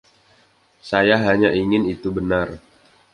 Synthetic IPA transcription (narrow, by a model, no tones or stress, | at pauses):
sajaɦaɲaʔiŋɪnit̪ubənar